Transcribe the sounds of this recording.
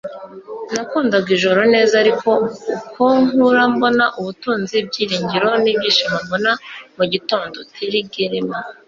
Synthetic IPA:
nakuːndaɡiʒo̞ɾo̞ne̞ːzaɾiko̞ukʰoŋuɾambo̞naʔuβutuːnzib̚ɟiːɾiːɲɟiɾo̞nibɟiːʃimambo̞namuɟitoːndo̞tʰiɾiɡeɾema

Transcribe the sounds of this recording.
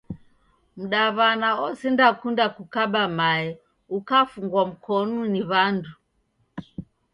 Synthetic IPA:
m̩ɗaβanaɔsindakundakukaɓamaɛ | ukafuŋɡwam̩kʰɔnuniβandu

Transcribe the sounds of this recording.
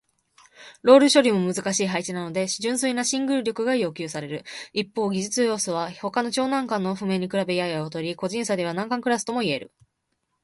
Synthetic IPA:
ɾo̞ːɾɯ̟ɕo̞ɾʲimo̞mɯ̟zɨkaɕiːɦait͡ɕinano̞d̪e̞ɕiʑɨ̃ɰ̃sɨinaɕĩŋɡɯ̟ɾɯ̟ɾʲo̞kɯ̟ɡajo̞ːkʲɯ̟ːsaɾe̞ɾɯ̟ipːo̞ːɡʲiʑit͡sɨjo̞ːsoβ̞aho̞kano̞t͡ɕo̞ːnãŋkãnːo̞ɸɯ̟me̞ɲ̟ikɯ̟ɾabe̞iajaot̪o̞ɾʲiko̞ʑĩɰ̃sad̪e̞βanãŋkãŋkɯ̟ɾasɨ̥t̪o̞mo̞ie̞ɾɯ̟̰

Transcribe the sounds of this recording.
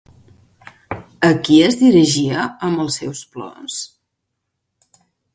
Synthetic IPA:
əkiəzðiɾiʒiəəmbəlˠsɛ̰wsplɔ̰s

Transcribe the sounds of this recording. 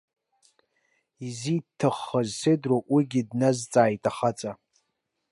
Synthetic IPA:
izitʰɨχːazsɨdroʔwiɡʲidnazt͡sʼaːjtʼaχat͡sʼa

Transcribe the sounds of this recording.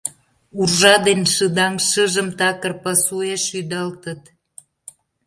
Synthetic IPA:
urʒɑd̪enʃɨd̪ɑŋʃəʒəmt̪ɑkərpɑsueʃyd̪əlt̪ət̪

